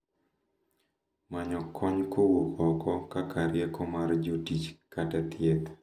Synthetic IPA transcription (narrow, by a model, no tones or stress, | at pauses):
maɲɔkʰɔɲkowokʰɔkɔkakʰaɾjɛkɔmard͡ʒotit͡ʃkatat̪jɛt̪